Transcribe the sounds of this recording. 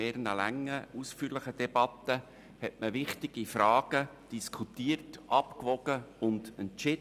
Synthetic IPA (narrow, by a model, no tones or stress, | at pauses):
ɛːɾnəlæŋːəusfyːɾləχəd̥ɛb̥ɑt̪ə | hɛtməʋɪχtɪɡ̥ifɾɑːɡ̥əd̥iskʰutiːərtʔɑpkʋɔɡ̥əʊndɛnt͡ʃɪ